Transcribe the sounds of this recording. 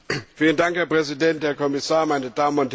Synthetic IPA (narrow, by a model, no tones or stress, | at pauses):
fiːləndaŋkhɛːɐpʁ̥ɛzidɛntheːɐkʰɔmɪsaːɐmaɪnəd̥aːməʊnth